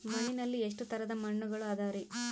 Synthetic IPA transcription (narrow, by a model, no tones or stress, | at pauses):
mɐɳinɐlːieʂ̬ʈut̪ɐɾɐd̪ɐmɐɳːuɡɐɭuaːd̪aːɐɾi